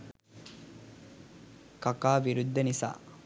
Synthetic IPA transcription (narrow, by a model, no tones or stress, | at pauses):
kɐkaːʋiɾud̪ːənisa̰ː